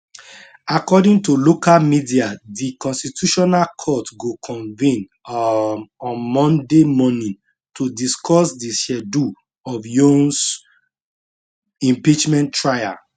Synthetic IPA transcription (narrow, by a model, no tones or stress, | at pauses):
akɔdĩŋtulokalmidiadikɔ̃nstitʰuʃɔnalkʰɔtɡokʰɔ̃nvĩn | ɔ̃nmɔ̃ndemɔnĩn | tʰudiskʰɔsdiʃɛdu | ɔvjõns | ĩmpit͡ʃmɛ̃ntːɹaja̰